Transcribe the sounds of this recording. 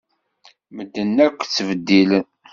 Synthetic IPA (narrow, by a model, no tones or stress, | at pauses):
məd̪ːənːækʷːt͡sːvəd̪ːil